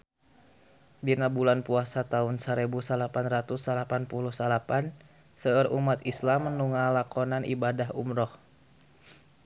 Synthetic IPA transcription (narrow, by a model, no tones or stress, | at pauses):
dinabulanpuasat̪aunsəɾɛbusəlapanrat̪usalapanpuluhsalapan | səərʔṵmat̪islamːənuŋalakɔnanʔḭbadaɦṵmɾɔh